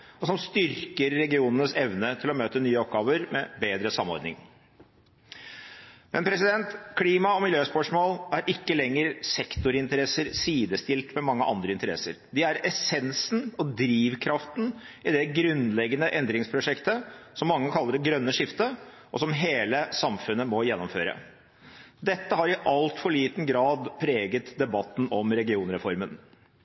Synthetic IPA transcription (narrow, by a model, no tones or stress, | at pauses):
ɔsɔmst̪ʏɾkəɾːɛɡɪuːnənəsɛʋnət̪ʰɪlɔmøːt̪ənyːəɔp̚ɡɑːʋəɾmɛbeːd̪ɾəsɑmːɔ̰ɾd̪nɪ̰ŋ | mʔɛnpʰɾɛsɪd̪ɛnt̪kʰliːmɑɔmɪljøːspœʂmɔlæɾʔɪkːəlɛŋːəɾsɛkt̪ʊɾɪnt̪əɾɛsəɾsiːd̪əst̪ɪlt̪mɛmɑŋːəʔɑ̰nd̪ɾəɪnt̪əɾɛ̰sə̰ɾd̪ɪæɾɛsɛnsn̩ɔd̪ɾiːʋkʰɾɑft̪n̩ɪd̪ɛɡɾʉnlɛɡːənəʔɛnd̪ɾɪŋspʰɾʊʂɛkt̪əsɔmːɑŋːəkʰɑlːəɖɛɡɾœnːəʂɪft̪ə | ʔɔsɔmɦeːləsɑmfʉnːəmɔjɛnːɔmfø̰ːɾə̰ | d̪ɛt̪ːəhɑɾɪʔɑlt̪fɔɭiːt̪n̩ɡɾɑːd̪pʰɾeːɡət̪d̪ɛbɑt̪ːn̩ɔmɾɛɡɪuːnɾɛfɔɾmən